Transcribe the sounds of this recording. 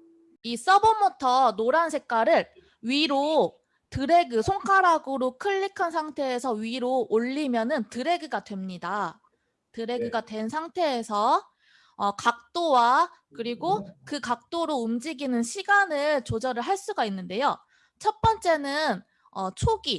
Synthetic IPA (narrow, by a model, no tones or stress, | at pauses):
is͈ʌbomutʰʌnoɾansʰe̞k͈aɾɯɭ | ɥiɾo | tɯɾe̞ɡɯsʰoŋkʰaɾaɡɯɾokʰɯʎːikʰansʰaŋtʰe̞ːsʰʌɥiɾoʔːʎːimjʌnɯntɯɾe̞ɡɯɡadwe̞mɲida | tɯɾe̞ɡɯɡadwe̞nsʰaŋtʰe̞ːsʰʌː | kak̚t͈owa | kɯɾiɡokɯkak̚t͈oɾoumd͡ʑiɡinɯnɕʰiɡanɯɭt͡ɕod͡ʑʌɾɯɭɦaɭs͈uɡainːɯnde̞jo | t͡ɕʰʌt̚p͈ʌnt͡ɕ͈e̞nɯn | ʌt͡ɕʰoɡi